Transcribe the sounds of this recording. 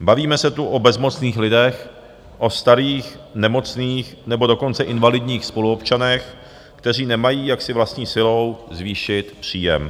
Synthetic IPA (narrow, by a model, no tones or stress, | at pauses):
baviːmɛsɛt̪uʔobɛzmo̞t͡sniːxlɪdɛx | ʔo̞st̪aɾiːxnɛmo̞t͡sniːxnɛbo̞do̞ko̞nt͡sɛʔɪnvalɪdɲiːxspo̞luo̞pt͡ʃanɛx | kt̪ɛr̝iːnɛmajiːjaksɪvlast̪ɲiːsɪlo̞wzviːʃɪt̪pr̝̥iːjɛ̰m